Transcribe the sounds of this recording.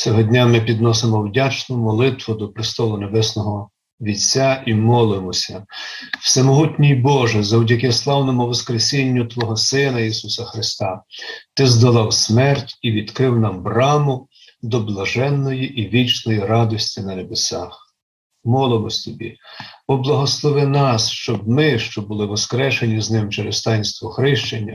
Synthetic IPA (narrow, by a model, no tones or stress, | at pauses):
t͡sʲɔɦɔdʲnʲamɪp̬ʲid̪nɔsemɔwdʲat͡ʃnɔmɔlˠɪt̪ʋʊd̪ɔpɾɪst̪ɔlˠʊnebɛsnɔɦɔ | ʋʲit͡sʲːaʔimɔlˠɪmɔsʲɐw̥sɛmɔɦutʲnʲijbɔʒɛzɔwdʲɐkɛslˠɑwnɔmʊʋɔskɾesʲinʲːʊt̪ʋɔɦɔsɪnɐisusɐxɾɪst̪ɑt̪ɪzd̪ɐlˠɑwsmɛrtʲiʋʲid̪kɾɪwnɑmbrɑmʊ | d̪ɔblˠɐʒɛnːɔjiʔiʋʲit͡ʃnɔjirɑd̪ɔsʲtʲinɐnebesɑx | mɔlˠemɔsʲt̪ɔbʲḭbɔblˠɐɦɔslˠɔʋɪnɑsʃt͡ʃɔbmɪʃt͡ʃɔbʊlˠɪʋɔskɾɛʃenʲiznɪmt͡ʃeɾest̪ɑjnʲst̪ʋɔxɾɪʃt͡ʃenʲːɐ